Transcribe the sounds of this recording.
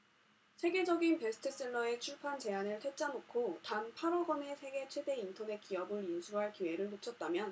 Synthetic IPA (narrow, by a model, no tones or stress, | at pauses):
sʰe̞ɡe̞d͡ʑʌɡinpe̞sʰɯ̥tʰɯs͈ɯɭːʌe̞t͡ɕʰuɭpʰant͡ɕe̞anɯɭtʰe̞t͡ɕ͈anokʰotanpʰaɾoɡʌne̞sʰe̞ɡe̞t͡ɕʰwe̞de̞intʰʌne̞t̚k͈iʌbɯɾjusʰuɦaɭkiwe̞ɾɯɭnot͡ɕʰʌt̚t͈amjʌn